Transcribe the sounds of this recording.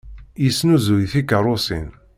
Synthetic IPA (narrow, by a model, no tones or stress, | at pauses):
jisːnuzujθikərˤʊsḭn